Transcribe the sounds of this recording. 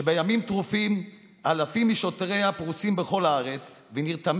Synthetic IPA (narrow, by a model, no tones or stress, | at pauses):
ebejamimt̪ʁufim | alafimiʃo̞t̪ʁejapʁusimbeχo̞laaʁet͡sveniʁt̪am